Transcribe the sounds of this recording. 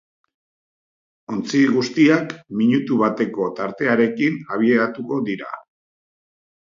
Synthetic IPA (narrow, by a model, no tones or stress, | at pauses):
o̞nt͡siɣust̪iakmiɲut̪uβat̪e̞ko̞t̪aɾt̪e̞aɾe̞kinaβ̞ie̞ɾat̪uko̞d̪iɾa̰